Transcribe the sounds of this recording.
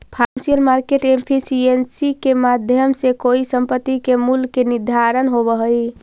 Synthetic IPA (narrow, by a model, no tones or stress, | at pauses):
pʰansiəlmaɾkeʈempʰisiensikemad̪ʱjəmsekoisəmpət̪ːikemulkenid̪ʱaɾənɦoβəɦəj